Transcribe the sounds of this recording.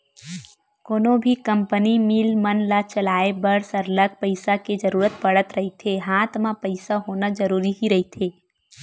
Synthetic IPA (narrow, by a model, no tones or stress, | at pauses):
koːnõbʱikə̃mpənimiːlmənlat͡ʃəlaːebəɾsəɾləɡ̚pəɪsaked͡ʒəɾuːɾət̪̚pəɽət̪ɾɐɦet̪ʰeɦãːt̪ʰmãpəɪsaɦoːnad͡ʒəɾuːɾiɦiɾɐɦit̪ʰeː